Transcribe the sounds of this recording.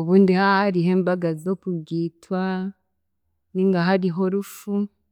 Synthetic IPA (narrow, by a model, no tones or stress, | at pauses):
oβuːndihahaɾiɦe̞ːmbaɡazokuɡiːtwa | niŋɡaɦaɾiɦo̞ɾufu